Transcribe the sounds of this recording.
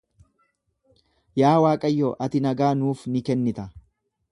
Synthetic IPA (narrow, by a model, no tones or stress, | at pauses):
jaːwaːkʼɐjːoːʔɐt̪ɪnɐɡaːnuːfnɪkɛnːɪt̪ɐ